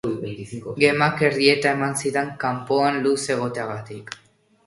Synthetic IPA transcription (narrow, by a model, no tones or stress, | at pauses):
ɡe̞make̞ɾðie̞t̪ae̞mansiðeŋkampoanluse̞ɣ̞o̞t̪e̞aɣat̪ik